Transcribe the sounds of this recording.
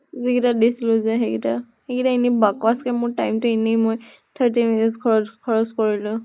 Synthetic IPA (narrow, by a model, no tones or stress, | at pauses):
ziɡitadisilʊzɛɦekita | heɡitainibakɔaskɛmʊɹtajmtʊinimoj | t̪ʰəɹtiminitskʰɔɹɔkʰɔɹɔskɔɹilʊ̃